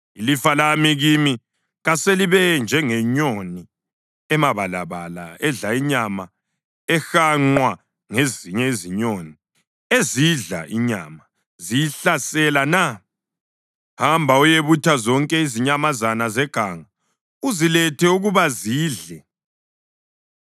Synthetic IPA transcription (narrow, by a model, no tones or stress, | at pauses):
ilifalamiɣimi | ɣaseliβɛnd͡ʒʱɛŋɛɲoni | ɛmaβala̰βa̰la̰ɛɮaiɲama | ɛxaŋ͡ǃwa | ŋeziɲɛiziɲoni | eziɮa̰ʔiɲa̰ma | zijiɬasɛlana | hambʱaujeβutʰazɔŋkʼɛiziɲamazanazɛɡ̥ʱaŋa | uzilɛtʰɛuɣuβaziːɮɛ